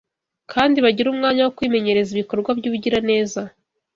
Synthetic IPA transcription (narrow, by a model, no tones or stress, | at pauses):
kʰaːndiβaɟiɾuːmŋaːɲawokwiːme̞ɲe̞ɾe̞ziβiko̞ɾɡwabɟuβuɟiɾane̞ːza